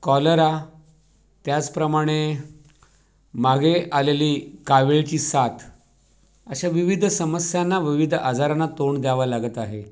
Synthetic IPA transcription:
kɔləɾa | t̪jat͡spɾəmaɽ̃e | maɡeʔaleliːkaʋeɭt͡ɕiːsat̪ʰ | əɕaʋiʋid̪ʱəsəməsjanːaʋiʋid̪ʱəʔad͡zʱaɾanːat̪oɳd̪jaʋalaɡət̪aɦe

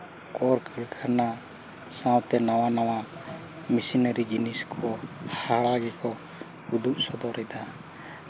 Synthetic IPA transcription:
kɔɾkʰəlkʰana | sãwt̪ɛnawanawa | misinəɾid͡ʒiniskʰɔhaɾaɡɛkɔ | ud̪uʔsɔd̪ɔɾɛd̪a

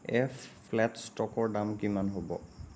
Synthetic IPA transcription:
ɛppʰlɛtstɔkɔɹdamkimanɦobɔ̰

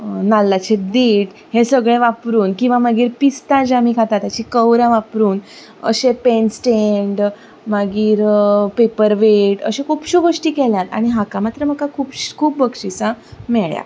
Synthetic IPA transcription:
nalːat͡ɕed̪iʈ | hesəɡɭẽʋapɾuːnkĩw̃ʋamaɡiːɾpist̪ad͡ʑamiːkʰat̪at̪jat͡ɕiːkəwɾãʋapɾuːn | ə̰ɕepensʈeɳɖ | maɡiːɾpepəɾʋeʈə̰ɕẽkʰupɕuɡoʂʈiːkɛljat̪a̰ɽ̃iɦakamat̪ɾəməkakʰuːpɕkʰuːp̚bəɡʂit͡sãmɛɭja̰

